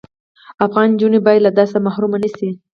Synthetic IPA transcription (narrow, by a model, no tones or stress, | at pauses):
afɣɑnd͡ʒunebɑjad̪lad̪ɑsamahɾumanəsi